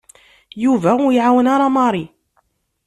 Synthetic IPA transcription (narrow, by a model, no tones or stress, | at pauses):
juvaɣjʕawnaɾˤɑmɑɾˤi